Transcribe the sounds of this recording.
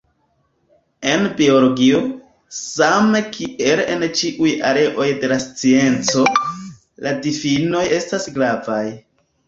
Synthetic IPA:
e̞nbioloɡio̞ | same̞kʰiʔe̞lent͡ʃiʔujaɾe̞ʔo̞jde̞last͡sie̞nt͡so̞ | ladifino̞je̞stasɡlavaj

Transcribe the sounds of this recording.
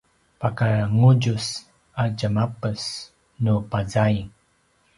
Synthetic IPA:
pakaŋuɟus | ad͡ʒəmapəs | nupazajŋ

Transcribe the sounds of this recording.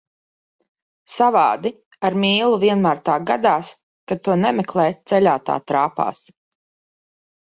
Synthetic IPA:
savaːd̪i | aɾmiːlˠuviɛnmaːɾt̪aːɡad̪aːs | kad̪̚t̪ːuɔnɛmʲɛklˠɛːt̪sɛlʲaːt̪a̰ːt̪ɾaːpa̰ːs

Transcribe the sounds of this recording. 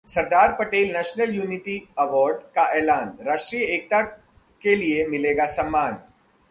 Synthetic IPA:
sɐɾd̪aːɾpəʈeːlnɛʃnəljuːniʈiɐʋɔːɾɖkaʔɛːlaːnɾaːʃʈɾijəek̚t̪a | keliemileɡasɐmːaːn

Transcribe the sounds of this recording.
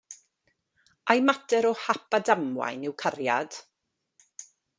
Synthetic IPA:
ʔajmatɛɾɔhapʰadamwa̰jnɪwkʰarjad̥

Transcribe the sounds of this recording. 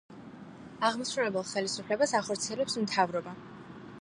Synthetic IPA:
aʁmɔsɾulɛbɛlˠχɛlisupʰlɛbasaχɔɾt̪sʰiɛlɛpsmt̪ʰavɾɔba

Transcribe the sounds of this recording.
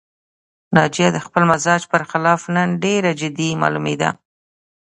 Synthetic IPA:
nɑd͡ʒijad̪əxpəlmazɑd͡ʒpəɾxɪlɑfnənɖeɾad͡ʒɪd̪imɑ̰lumed̪a̰

